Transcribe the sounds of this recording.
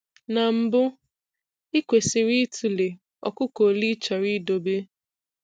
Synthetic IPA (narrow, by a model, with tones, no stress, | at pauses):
na˨m̩˦bʊ˦ | i˦kʷe˨sɪ˨ɾi˦tʰu˨le˨ | ɔ̰˨kʊ˦ko˨li˦t͡ʃa˨ɾi˦do˨be˦